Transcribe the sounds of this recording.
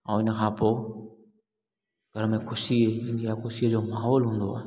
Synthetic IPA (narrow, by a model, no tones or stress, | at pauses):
ãːɪnə̆kʰãːpo | ɡ̥ʱəɾəmẽkʰʊʃieɪnkjaxʊsid͡ʑoːmaːɦɔːlɦũːnd̪oa̰ːɦe